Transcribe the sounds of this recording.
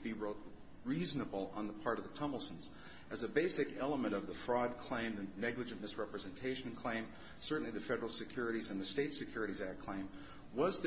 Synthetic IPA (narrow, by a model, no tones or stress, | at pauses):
b̥i | ɹiznəbl̩ˠə̰̃nðəpʰɑɹɾʌvðətʰʌ̃ml̩ˠtn̩z | ɨzɨbeɪsɨkɛlˠəmɨ̃ɾ̃ʌvðəfɹɔd̚kʰl̥ẽɪ̃mðɨnɛɡlɨd͡ʒɨ̃nɨsɹɛpɹɨzɨ̃ntʰeɪʃn̩kʰl̥ẽɪ̃m | sɜ˞ʔn̩liðɨfɛɾə˞l̩ˠsɨkʰj̥ʊɹɨɾizɨ̃nðɨsteɪtsɨkʰj̥ʊɹɨɾizæk̚kʰl̥ẽɪ̃m | wʌzð